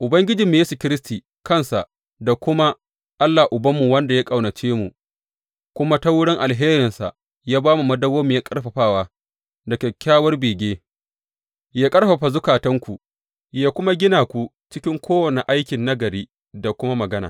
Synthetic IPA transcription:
ʔʊ˨bɐ˦ŋɡʲɪ˦d͡ʒɪ˨mːi˨˦jeː˦su˨kʲɪ˦ɾɪ˦stiː˨ | kɐ˦nsa˨ʔ | da˨kʷʊ˦ma˦ | ʔa˦lːa˨ʔʊ˨bɐ˦mːu˨wɐ˦nda˨ja˦kʼa˨wnɐ˨t͡ʃeː˦mu˨ | kʷʊ˦ma˦ta˦wʊ˦ɽɪ˦ŋʔa˨lɦeː˦ɾɪ˨nsa̰˨ | jaː˦baː˦mu˨mɐ˦dɐ˦woː˦mu˨jaː˦kʼɐ˦rɸɐ˨ɸaː˦˨waː˦ | dɐ˨kʲe˨kʲːaː˦wɐ˦rbeː˨ɡʲeː˦ | jaː˦kʼɐ˦rɸɐ˨ɸa˨zʊ˦kaː˨tɐ˦ŋkʷu˨ | jaː˦kʷʊ˦ma˦ɡʲɪ˦naː˨kʷu˦ | t͡ʃɪ˦kʲɪ˦ŋkʷʰoː˦wɐ˨ne˨ʔa˦jkʲɪ˨nːɐ˦ɡɐ˨ɾiː˦ | da˨kʷʊ˦ma˦mɐ˨ɡɐ˦na̰ː˨

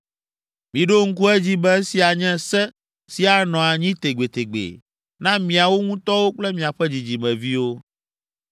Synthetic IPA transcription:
mĩ˨ɖo˦ŋ̩˦ku˦ɛ˦d͡ʑi˦bɛ˦si˨a˨ɲɛ̃˦sɛ˦ | si˦a˨nɔ̃˨a˨ɲĩ˦t̪e˨ɡ͡be˨t̪e˨ɡ͡bḛ˨ | nã˦mĩ˨a˨wo˦ŋũ˦t̪ɔ˦wo˦k͡plɛ˦mĩ˨a˨ɸɛ˦d͡ʑi˨d͡ʑi˨mɛ̃˨vi˦wo˦

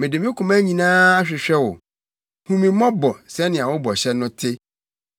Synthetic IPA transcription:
mɪ̃˨dɪ˨m˦ɪ̃˦kʰʊ̃˨mæ˦ɲĩ˨nãː˦a˦ɕᶣɪ˨ɕᶣɛ˦wʊ̰˨ | hũ˨mĩ˨mɔ̃˦bɔ˨sɛ˦nɪ̃˨a˨wʊ˦bɔ˨ɕɛ˦nʊ̃˦tʰɪ˦

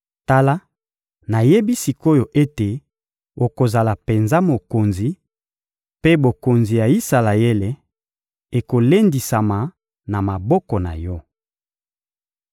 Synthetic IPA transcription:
ta˦la˦ | na˨je˦bi˦si˨ko˦jo˨ʔe˦te˨ | o˨ko˨za˨la˨pe˨nza˦mo˨ko˨nzi˨ | pe˦bo˨ko˨nzi˨ja˨i˦sa˨la˨e˦le˨˦ | e˨ko˨le˦ndi˨sa˨ma˨ | na˨ma˨bɔ˦kɔ˨na̰˨jɔ˦

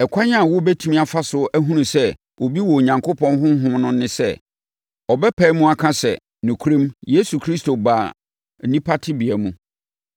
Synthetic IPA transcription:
ɛ˨kʷʰa˦ɲã˦˨wʊ˦bɛ˦tʰu˦mĩ˦a˨fa˦sʊ˨æ˦ɦũ˦nũ˨sɛ˦ | wʔo˨bi˦wɔ˨ɲã˨ŋkʰo˦pʰɔ̃˦nɦʊ̃˦ɦʊ̃˦mnʊ̃˦nɪ̃˦sɛ̰˦˨ | ɔ˨bɛ˦pʰɛ˨˦mũ˦a˨kʰã˦sɛ̰˨ | nʊ̃˨kʰu˦ɾĩ˦mje˦su˨kʰɾi˦sto˨ba˨ | nĩ˦pʰa˦tʰɪ˦bi˨ɛ˨mũ˦

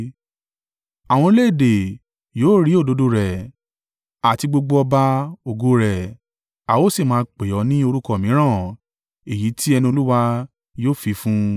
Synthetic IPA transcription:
a˨w̃ɔ̃˧i˧le˦˨de˨ | joː˨˦ɾi˨˦o˦˨do˨˦do˧ɾɛ˨ | a˨ti˧ɡ͡bo˧ɡ͡bo˧ɔ˧ba˧o˧ɡo˧˦ɾɛ˨ | a˨wo˦si˦˨mãː˧k͡pe˨ɔ˨˦nĩ˦o˧ɾu˦kɔ˧˨mĩ˨˦ɾ̃ã˦˨ | e˨ji˨˦ti˦ɛ˧nĩ˧o˧lu˦wa˧ | joː˦˨fi˨˧fũ˦

